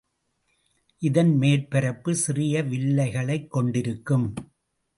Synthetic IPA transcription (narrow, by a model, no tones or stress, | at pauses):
ʔɪðɐnmeːɾpɛɾɐpːɯsɪrɪjɐʋɪɭːɐɪɣɐɭɐɪkːɔɳɖɪɾɯkːɯm